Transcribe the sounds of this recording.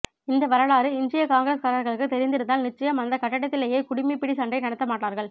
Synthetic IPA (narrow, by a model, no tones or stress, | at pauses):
ɪnd̪ɐʋɐɾɐɭaːɾɯɪnd͡ʒɪjɐkaːŋɡɐɾeːskaːɾɐɾɣɐɭɯkːɯt̪ɛɾɪnd̪ɪɾɯnd̪aːlnɪt͡ʃːɐjɐmɐnd̪ɐkɐʈːɐɽɐt̪ːɪleːjeːkʊɽɪmipɪɽɪsɐɳɖɐɪnɪnɐt̪ːɐmaːʈːaːɾɣɐɭ